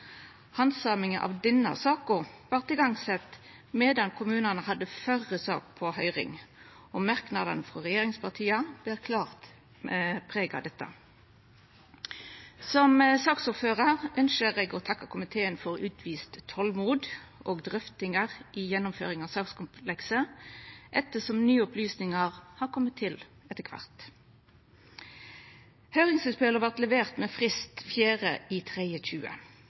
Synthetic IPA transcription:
hɑnsɑːmɪŋənʔɑ̰ʋd̪ɛnːə̰sɑːkʊʁʋɑʁt̪ɪɡɑŋsɛt̪ | meːd̪ɑnkʰʊmʉːnənəhɑd̪ːəfœʁəsɑ̰ːk̚pʰɔhœʏʁɪ̰ŋ | ɔmɑʁknɑd̪ənəfʁɔʁɛjeːʁɪŋspʰɑʁt̪ʰiːəb̥lɪːʁkʰlɑːʁt̪ | pʰʁeːɡɑ̰d̪ɛt̪ːə̰ | sɔmsɑːksʊʁføːʁəʁœnʃəʁeːɡoːt̪ʰɑkːɑkʰʊmɪt̪ʰeːənfɔʁʉːt̪ʰʋiːst̪ʰːɔlmuːd̪ | ʔoːɡd̪ʁʏft̪ɪŋəʁʔɪjɛnːʊmfø̰ːʁɪŋɑːsɑːkskʊmpʰlɛksə | ʔɛt̪əsɔmnyːəʊplyːsnɪŋəʁhɑːʁkʰɔmːət̪ʰːɪl | ɛt̪ːəkʰʋɑ̰ʁt̪ | hœʏʁɪŋsʉspɛləʋæʁt̪lɛʋeːʁt̪meːfʁɪst̪fjæːʁəʔiːt̪ʰʁeɪəc͡çʉːə̰

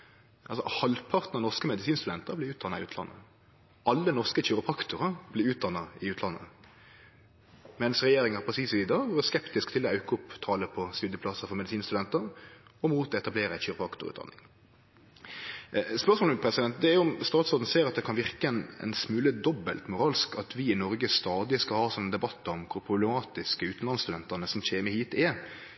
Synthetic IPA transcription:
ʔɑlsɔ̰hɑlpʰɑʁt̪nɑnɔʁskəmɛd̪ɪsiːnst̪ʉd̪ɛnt̪əʁblɪʉːt̪̚ɑnɑɪʉːt̪ʰlɑ̰nːə̰ | ʔɑlːənɔʁskəçyːʁəpʰɑkt̪ʊʁəb̥lɪʉːt̪̚d̪ɑnːɑɪʉːt̪ʰlɑnːə̰ | mɛnəsʁɛjeːɾɪŋəʁpɾɛsiːsʋiːd̪ɑːɡɛskɛpt̪ɪskt̪ʰɪlɔɑʉkəʊpt̪ʰɑːləpʰɔsk̪ʉd̪əpʰlɑsəfɔʁmɛd̪ɪsiːnst̪ʉd̪ɛnt̪əʁɔmuːt̪ɔɛt̪ɑbleːɾəæçyːʁpəɑkt̪ʊ̰ʉ̰ɑ̰nːɪ̰ŋ | spœʁsmoːlpʰɾɛsɪd̪ɛnt̪̚d̪ɛæjʊʊmst̪ɑːt̪soːd̪n̩seːɾɑt̪d̪ɛkʰɑnʋɪʁkəɛnɛ̰nsmʉːləd̪ɔbːəlt̪mʊʁɑːlskɑt̪ʰʋɪɪnɔɾɡəst̪ɑːd̪ɪskɑlhɑːsɔnənd̪ɛbɑt̪ːəɔmkʰʊɾpʰʁʊblɛmɑːt̪ɪskəʉːt̪n̩lɑnst̪ʉd̪ɛnt̪əʁnəsɔn̩çeːməhiːt̪ʰɛ

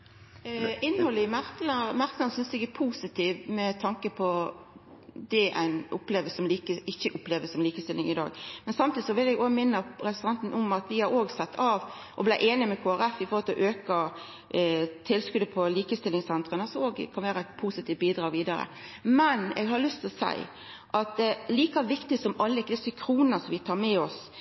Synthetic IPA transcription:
ɪnːhɔlːəmæɾkəlmæɾkəlɑnsʏnsd̪ɛɡæpʰuːsɪt̪ʰiːʋmɛt̪ʰɑŋkəpʰɔ | d̪ɛʔæ̰ɪnʊpleːʋəsɔmliːkəɪçːəʔʊpleːʋəsɔmliːkəst̪ɪlːɪŋɪd̪ɑ̰ːɡmɛnsɑmt̪iːd̪ɪsɔʋɪlɛɡoːɡmɪnːəɾɛssʁɑnt̪nʔɔmɑt̪ʋɪhɑɾoːɡsɛt̪ʰːɑːʋ | ʔɔblæɪʔeːnɪmɛkʰoːæɾɛfɪfɔɾɔlt̪ʰɛlʔøːkɑ | t̪ʰɪlskʉd̪əpʰɔliːkəst̪ɪlɪŋsɛnt̪ɾənɑsɔoːɡkʰɑnʋæːɾəæɪt̪̚pʰuːsɪt̪ʰiːʋ̚biːd̪ɾɑːɡʋiːd̪ɑɾə̰mɛnɛ̰ɡɦɑlʏst̪ʰɪlɔsæ̰ɪ | ʔɑt̪̚d̪ɛliːkɑʋɪkt̪ɪsɔmɑlːəɪkːd̪ɛsʏkʰɾuːnəsɔmʋɪt̪ʰɑːɾmɛɔs

